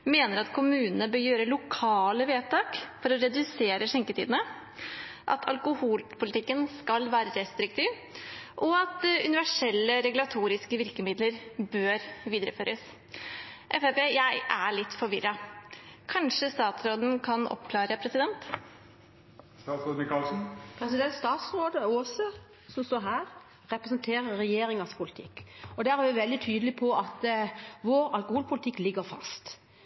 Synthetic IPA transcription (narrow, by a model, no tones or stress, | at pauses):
meːnəɾɑt̪kʰʊmʉːnənəbøːɾjøːɾəlʊkʰɑːləʋeːt̪ʰɑːkfɔɾɔɾɛd̪ʉseːɾəʂɛŋkət̪ʰiːd̪ənə | ʔɑ̰t̪ʰɑ̰lkʊhuːlpʰʊlɪt̪ɪkːənskɑlʋæːɾəɾɛst̪ɾɪkt̪ʰiːʋ | ʔɔɑt̪ʉ̰nɪʋæʂɛlːəɾɛɡlɑt̪ʰuːɾɪskəʋɪɾkəmɪd̪ləɾbøːɾʋiːd̪əɾə̰føːɾʔəs | ʔɛfepeːjæɪʔæɭɪt̪ːfɔɾʋɪɾːɑ | kʰɑnʂəst̪ɑːt̪sɾoːd̪n̩kʰɑnʔɔ̰pːkʰlɑːɾəpʰɾɛsɪd̪ɛnt̪ | st̪ɑsɾoːd̪nɪkɑlsn̩pʰɾɛsɪd̪ɛnt̪st̪ɑːt̪sɾoːd̪əosə | sɔmst̪oːɾɦæːɾ | ɾɛpɾɛsənt̪ʰeːɾəɾːɛjeːɾɪŋɑspʰʊlɪt̪ʰɪ̰kːɔd̪ææɾɑʋɪʋɛld̪ɪt̪ʰyːd̪əlɪpʰɔʔɑt̪ʋoːɾɑlkʊhuːlpʰʊlɪt̪ʰɪkːlɪɡəɾfɑ̰st̪